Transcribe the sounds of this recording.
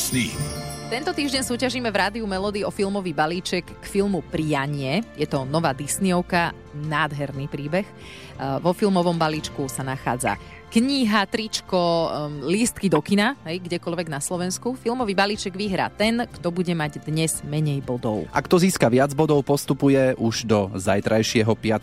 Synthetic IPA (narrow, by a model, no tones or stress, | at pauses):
snit̪ɛnt̪ɔt̪iːʒɟɛɲsuːcaʒiːmɛvɾaːd̪iumɛlɔːd̪iɔfilˠmɔʋiːbaliːt͡ʃɛkːfilmupɾijaɲɪɛjɛt̪ɔnɔʋaːd̪isniɔʊka | naːd̪ɦɛɾnipɾiːbɛx | ʋɔfilmɔʋɔmbaliːt͡ʃkusanaxa̰ːd͡za̰ | kɲiɦat̪ɾit͡ʃkɔlist̪kid̪ɔkinaɦɛjɡɟɛkɔlʋɛɡnaslɔʋɛnskufilmɔʋiːbalit͡ʃɛɡʋiɦɾa̰ːt̪ɛnkt̪ɔbuɟɛmaɟd̪ɲɛz̥mɛɲɛjbɔd̪ɔʊʔakt̪ɔziːskaʋɪad͡zbɔd̪ɔʊpɔst̪upujɛʔuʒd̪ɔzajt̪ɾajʃɪɛɦɔpɪat̪